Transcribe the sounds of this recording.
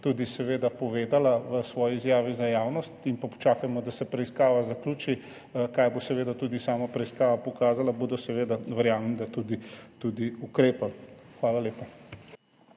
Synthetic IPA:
t̪ud̪isɛʋeːd̪apɔʋeːd̪alaʋəsʋɔːjiːzjaːʋizajaːwnɔst̪inpapɔ̥t͡ʃaːkajmɔd̪asɛpɾɛiskaːʋazakluːt͡ʃi | kaːjbosɛʋeːd̪at̪uːd̪isaːmapɾɛiskaːʋapɔkaːzalabod̪ɔsɛʋeːd̪aʋɛɾjaːmnid̪at̪ud̪it̪ud̪iukɾeːpaxʋaːlaleːpa

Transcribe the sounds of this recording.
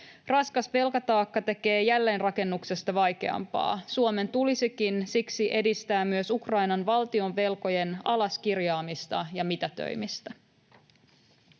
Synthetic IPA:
rɑskɑsʋe̞lkɑt̪ɑːkːɑt̪e̞ke̞ːjælːe̞ːnrɑke̞nːukse̞st̪ɑʋɑjke̞̰ɑ̰mpɑ̰ːsuome̞nt̪ulisikinsiksiʔe̞dist̪æːmyøsukrɑjnɑnʋɑlt̪io̞nʋe̞lko̞je̞nɑlɑskirjɑːmist̪ɑjɑmit̪æt̪ø̰jmist̪æ

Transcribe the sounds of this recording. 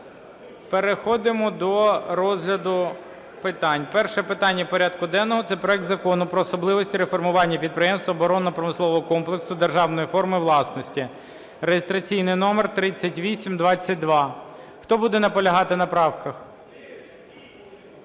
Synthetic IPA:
peɾexɔd̪ɪmɔd̪ɔɾɔzɦlʲɐd̪ʊ | pɪt̪ɑnʲpɛrʃɛpɪt̪ɑnʲːɐpɔɾʲɑd̪̚kʊd̪ɛnːɔɦɔt̪sɛpɾɔɛk̚t̪zɐkɔnʊpɾɔːsɔblˠɪʋɔsʲtʲiɾefɔrmʊʋɑnʲːɐpʲid̪̚pɾɪjɛmst̪ʋɐːbɔɾɔnɐpɾɔmɪslˠɔʋɔɦɔkɔmplˠeksʊd̪erʒɑwnɔjifɔrmɪʋlˠɑsnɔsʲtʲi | rejɪst̪ɾɐt͡sʲijnɪjnɔmɛrt̪ɾɪt͡sʲːɐtʲʋʲisʲimd̪ʋɑt͡sʲːɐt̚ʲd̪ʋɑxt̪ɔbud̪ɛnɐpɔlʲɐɦɑt̪ɪnɐpɾɑwkɐx

